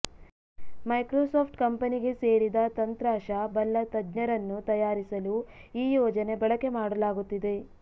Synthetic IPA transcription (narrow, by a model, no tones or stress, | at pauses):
mɐjkɾoːsoːpʰʈkɐmpɐniɡe̞se̞ːɽid̪ɐt̪ɐnt̪ɾaːʃɐbɐlːɐt̪ɐd͡ʒɲɐɾɐnːut̪ɐjaːɾisɐluiːjɔːd͡ʒɐne̞bɐɭɐke̞maːɽɐlaːɡut̪ːid̪e̞